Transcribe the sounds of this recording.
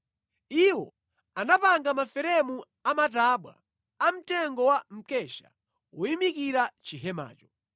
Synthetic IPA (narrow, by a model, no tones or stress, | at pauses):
iwɔ̰ | anapaŋɡamafɛɾɛmu | amat̬aɓwa̰ | am̩tɛŋɡɔwam̩kɛʃa̰ | ujimikiɾat͡ʃiɦɛma̰ːt͡ʃɔ̥